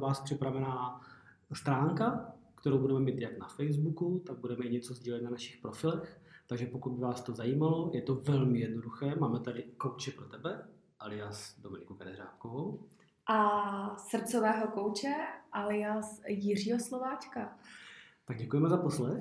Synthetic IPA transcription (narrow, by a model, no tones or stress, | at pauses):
vaːspr̥ɪpɾavɛnaː | st̪ɾaːŋkakt̪ɛɾowbudɛmɛmiːt̪jaknafɛjzbukut̪aɡ̚budɛmɛɪɲɛt͡sozɟiːlɛt̪̚nanaʃɪxpɾo̞fɪlɛxt̪aɡʒɛpokud̪̚bɪvaːst̪ozajiːmalo̞jʔɛt̪ovɛlmɪjɛdnoduxɛːmaːmɛt̪adɪkowt͡ʃɛpɾot̪ɛbɛ | ʔalɪjasdomɪnɪkukɛnɛɾa̰ːtkovow | ʔasr̩pt͡sovɛːɦokowt͡ʃɛʔalɪasjɪr̝iːɦoslovaːt͡ʃka | t̪aɡ̚ɟɛkujɛmɛzapo̞slɛx